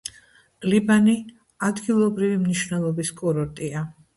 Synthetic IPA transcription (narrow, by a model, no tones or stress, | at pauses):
libani | ad̪ɡilˠɔbɾivimniʃvnɛlˠɔbiskʼɔɾɔɾt̪ʼia